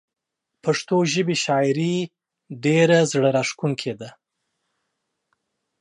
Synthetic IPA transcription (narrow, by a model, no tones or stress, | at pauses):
paʂt̪oʒəbiʃɑjɾi | ɖeɾazɽəɾaʂkuŋkʰed̪a